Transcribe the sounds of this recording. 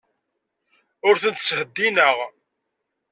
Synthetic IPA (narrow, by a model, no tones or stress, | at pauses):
ʊɾθənt̪shəd̪ːinəʁ